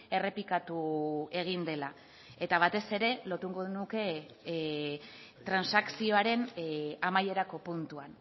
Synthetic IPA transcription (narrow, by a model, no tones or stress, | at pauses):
e̞re̞pikat̪ue̞ɣ̞ind̪e̞la | e̞t̪aβ̞at̪e̞se̞ɾe̞lo̞ɾt̪uŋɡoðnuke̞ | t̪ɾansaksio̞aɾe̞namaje̞ɾako̞punt̪uan